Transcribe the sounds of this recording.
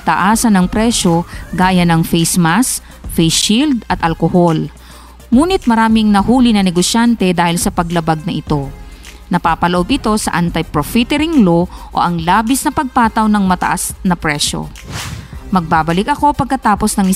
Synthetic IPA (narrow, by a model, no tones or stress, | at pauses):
t̪ɐʔaːsɐnɐŋpɾɛʃo̞ɡaːjɐnɐŋfɛjsmas | fɛjsild̪ɐt̪ʔɐlkohol | muːnɪt̪̚mɐɾaːmɪŋnɐhuːlɪnɐnɛɡosjant̪ɛd̪aːhɪlsɐpɐɡlɐbaɡ̚nɐʔɪt̪o̞ | nɐpaːpɐloʔo̞bɪt̪o̞sɐʔant̪ɐjpɾofit̪ɛɾɪŋlo̞ʔo̰ʔɐŋlaːbɪsnɐpɐɡ̚paːt̪ɐwnɐŋmɐt̪ɐ̰ʔasnɐpɾɛʃo̞̰ | mɐɡ̚baːbɐlɪk̚ʔɐko̞pɐɡ̚kɐt̪aːpo̞snɐŋɪ